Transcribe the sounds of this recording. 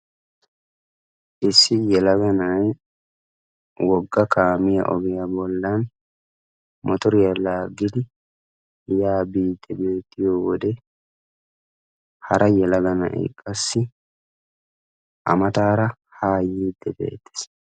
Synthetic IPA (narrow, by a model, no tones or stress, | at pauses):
ʔɪsːɪjɛlɐɡɐnaj | wɔɡːɐkaːmɪjɐ̰ʔɔɡɪjɐbɔlːan | mɔt̪ɔɾɪjɐlaːɡɪd̪ɪ | jaːbiːt̪ːɛbeːt̪ːɪjoːwɔd̪ɛ | hɐɾʔɐjɛlɐɡɐnɐ̰ʔɪ̰kʼːɐsːɪ | ʔɐ̰mɐt̪aːɾɐ | haːjiːd̪ɛbḛːt̪ːɪ̥s